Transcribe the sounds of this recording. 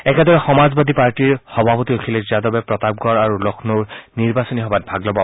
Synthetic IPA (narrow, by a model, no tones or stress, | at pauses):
ɛkɛdɔɹɛxɔmazbad̪ʱipaɹtiɹxɔbʱapɔtiokʰilɛzadɔbɛpɹɔtab̚ɡɔɹaɹulɔkʰnoɹniɹbasɔniɦɔbat̚bʱaɡlɔbɔ